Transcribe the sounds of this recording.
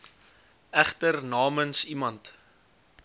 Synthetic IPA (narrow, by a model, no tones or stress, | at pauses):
æχtərnɑːmənsimɐnt